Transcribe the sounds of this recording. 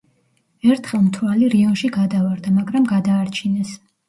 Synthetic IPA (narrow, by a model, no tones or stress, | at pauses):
ɛɾt̪ʰχɛlˠmt̪ʰɾwaliɾiɔnʃiɡad̪avaɾd̪amaɡɾamɡad̪aːɾt͡ʃʰinɛs